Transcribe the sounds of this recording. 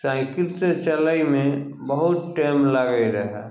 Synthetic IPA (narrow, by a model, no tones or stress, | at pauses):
sãkɪɾt̪t͡ʃələimẽ | bəɦʊt̪̚ʈeːmləɡəiɾəɦɛ